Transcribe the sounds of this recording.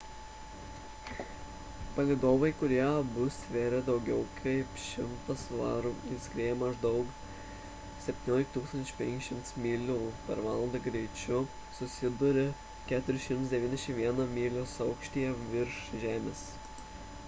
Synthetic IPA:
pɐlʲeɪd̪oːʋɐɪkʊɾʲiɛbʊsʲʋʲeːɾʲɪd̪ɒʊɡʲɛʊkʰɐɪpʃʲɪmt̪ɐsʋɑ̰ːɾuɪskɾʲeːjɛmɐʒd̪ɒʊk | sʲɛpʲt̪ʲɪːnʲoːlʲɪkt̪uːksɐnʲʊ̥pʲɛ̃ŋʲkʲɪʃʲɪmt̪smʲiːlʲuːpʲɛɾʋɑːlˠɐnd̪ɐɡɾʲɛɪt͡ʃʲʊ | sʊsʲɪd̪ʊɾʲɪ | kʲæːt̪ʊɾʲɪʃʲɪmt̪sd̪ʲɛʋʲiːnʲd̪ʲɛʃʲɪmʋʲiɛnɐmʲiːlʲoːsɒʊkʃʲt̪ʲiːjɛʋʲɪɾʃʒʲæːmʲeːs

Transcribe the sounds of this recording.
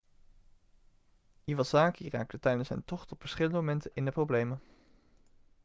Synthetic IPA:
iʋɑzaːkira̰ːk̚tətɛjdənsɦɛ̰jntɔχtɔpfəɹsχɪlˠndəmomɛntənʔɪndəprowblejmən

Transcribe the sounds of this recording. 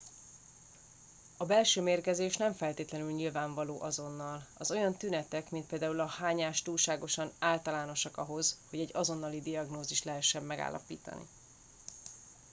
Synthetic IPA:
ɒbɛlʃøːmeːrkɛzeːʃnɛɱfɛlt̪eːt̪lɛnylɲilvaːɱvɒloːʔɒzo̞nːɒlɒzo̞jɒnt̪ynɛt̪ɛkmint̪̚peːld̪aːulɒhaːɲaːʃt̪uːlʃaːɡo̞ʃɒnaːlt̪ɒlaːno̞ʃɒkɒɦo̞z̥ho̞ɟɛɟːɒzo̞nːɒlid̪iɒɡnoːziʃt̪lɛɦɛʃːɛmːɛɡa̰ːlːʔɒ̰pḭːt̪ɒ̰nḭ

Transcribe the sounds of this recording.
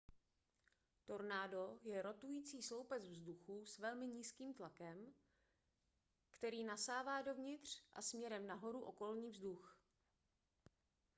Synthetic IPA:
t̪o̞ɾnaːdo̞jɛɾo̞t̪ujiːt͡siːslo̞wpɛzvzduxusvɛlmɪɲiːskiːmt̪lakɛm | kt̪ɛɾiːnasaːvaːdo̞vɲɪt̪r̝̥ʔa̰smɲɛɾɛmnaɦo̞ɾuʔo̞ko̞lɲiːvzdux

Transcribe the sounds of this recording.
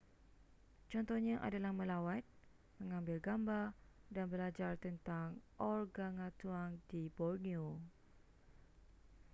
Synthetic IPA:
t͡ʃɔnt̪ɔhɲãʔa̰dalahmə̃lawat̪̚ | mə̃ŋãmbɪlɡambadanbəlad͡ʒart̪ənt̪aŋʔɔrɡaŋãt̪uaŋdibɔrnio

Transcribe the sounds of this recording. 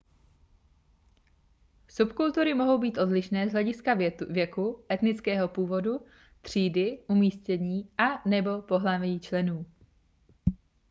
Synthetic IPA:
supkult̪uɾɪmo̞ɦo̞wbiːt̪ʔo̞dlɪʃnɛːzɦlɛɟɪskavjɛkuʔɛt̪nɪt͡skɛːɦo̞puːvo̞du | t̪r̝̥iːdɪʔumiːscɛɲiːʔanɛbo̞po̞ɦlavjit͡ʃlɛnuː

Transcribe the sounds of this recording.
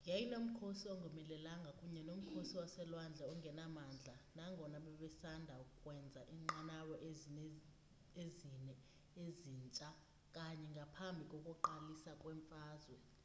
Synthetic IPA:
jɛjinom̩kʰosiɔŋɡʱɔmɛlɛlaŋɡʱakʼuɲɛnom̩kʰosiwasɛlwand͡ɮʱaɔŋɡʱɛnamand͡ɮʱanaŋʱɔnaɓɛɓɛsandʱaukʼukʼwɛnd͡zʱaʔiŋ͡ǃanawɔʔ | ezinɛ | eziːnt͡ʃʼa | kʼaɲɛŋɡʱapʰambʱikʼokʼuǃalisakʼwɛɱfaːzwɛ

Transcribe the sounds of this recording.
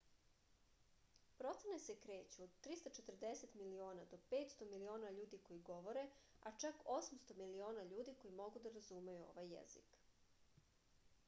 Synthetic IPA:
pɾo̞t̪senese̞kɾe̞ːt͡ɕuod̪t̪ːɾist̪at͡ʃet̪rd̪e̞se̞t̪milio̞ːnad̪o̞pe̞ːt̪st̪o̞milio̞ːnaʎuːd̪iko̞jiɡo̞ʋo̞ɾe̞at͡ʃako̞smst̪o̞milio̞ːnaʎuːd̪iko̞jimo̞ɡud̪aɾazumejuo̞̰ʋajːḛzḭk

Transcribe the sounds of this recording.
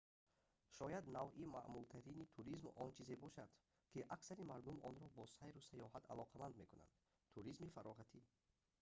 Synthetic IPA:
ʃɔjad̪navʔima̰ʔmult̪ʰaɾinit̪ʰuɾizmɔnt͡ʃʰize̞bɔʃad̪̥ | kʰiʔaksaɾimaɾd̪umʔɔ̰nɾɔbɔsajɾusajɔɦat̪ʰa̰lɔqʰamand̪me̞kuna̰nd̪ | t̪ʰuɾizmifaɾɔʁat̪ʰi

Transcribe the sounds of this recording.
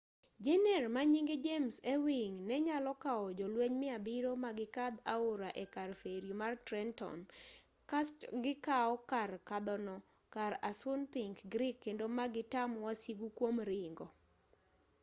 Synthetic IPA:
d͡ʒenɛrmaɲiŋɡed͡ʒemsewiŋnɛɲalɔkaɔd͡ʒɔlweɲmɪabɪɾomaɡɪkad̪a̰oɾaʔekarfeɾjumartɾɛntɔ̰n | kastɡɪkaɔkarkad̪ɔnɔ | kaɾasʊnpiŋkɡɾɪkːendomaɡɪtamwasiɡukwomɾɪŋɡɔ

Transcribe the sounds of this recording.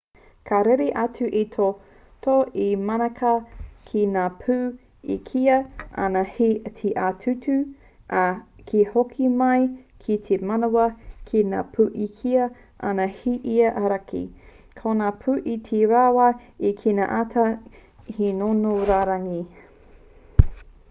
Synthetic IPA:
kʰaɾeɾeʔɐtʰuʔitʰo | toimɐnɐkʰɐkʰinaːpʰuː | ḭkʰiɐɐ̰nɐhitʰiʔatʰʉtʉ | ʔakʰihokʰimɐjkʰitʰemɐnowɐkʰina̰ːpʰuːʔikʰiɐ | ʔɐ̰nɐhiʔiɐʔɐɾɐkḭ | kʰonaːpʰuʔitʰiɾaːwɐikʰina̰ʔatʰɐ | hinonoɾaːɾɐŋi

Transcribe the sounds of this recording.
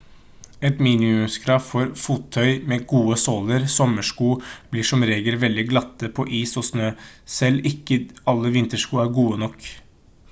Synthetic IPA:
ɛt̪miːnɪʉmskʰɾɑːʋfɔɾfuːt̪ʰːœʏmeːɡuːəsoːləɾsɔmːəʂkuːb̥liːʂɔmɾeːɡəlʋɛld̪ɪɡlɑt̪ːəpʰɔʔiːsɔsnøːsɛlːɪkːəɑlːəʋɪnt̪əʂkuːæɾɡuːənɔkː

